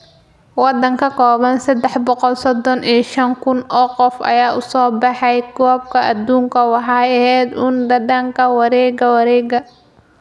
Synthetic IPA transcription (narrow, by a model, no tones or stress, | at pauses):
wɑd̪ɐŋkʰɐkʰɔːβɐnsɐd̪ɛħbɔqɔlsɔd̪ɔnʔiːɐʃɐŋkʰʊnʔɔːqɔfʔɐ̰jaːʔʊsɔːbɑħɑjɡɔːb̚kʰɐʔɐd̪uːŋkʰɐwɑħɑɐhɛːd̪uːnɖɐɖɐŋkʰɐwɑɾɛːɡɐwɑɾɛːɡɐ